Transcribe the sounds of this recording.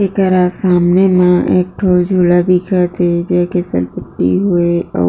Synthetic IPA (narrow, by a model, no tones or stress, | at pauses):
ekəɾasaːmnemãʔeːk̚ʈʰoːd͡ʒʱuːlad̪ɪkʰat̪ʰed͡ʒɛːkesə̰lpəʈːḭɦueɔ̰ː